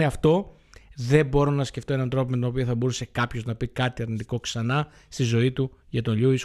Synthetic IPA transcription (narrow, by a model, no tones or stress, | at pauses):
eɐft̪o̞ | ðe̞bo̞ɾo̞nɐsce̞ft̪oe̞nɐnɐnt̪ɾo̞pimet̪ono̞pioθɐbo̞ɾuse̞kɐpço̞znɐpikɐt̪iɐɾnit̪iko̞ksɐnɐ | st̪izo̞it̪u | ʝɐt̪o̞nʎuis